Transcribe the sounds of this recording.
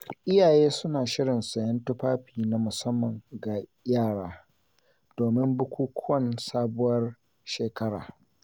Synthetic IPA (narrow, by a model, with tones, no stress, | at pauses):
ʔɪ˦jaː˨jeː˦sʊ˦naː˨ʃɪ˦ɽɪ˨nsɐ˨jɐ˦ntʊ˦ɸaː˦ɸiː˨na˨mʊ˨sɐ˦mːɐ˨ŋɡa˨jaː˦˨ɽaː˦ | d̥oː˨mɪ˦mbʊ˦kʷuː˦kʷʰʊ˦wɐ˦nsaː˦bʊ˦wɐ˦r | ʃeː˨kɐ˦ɽa̰ː˨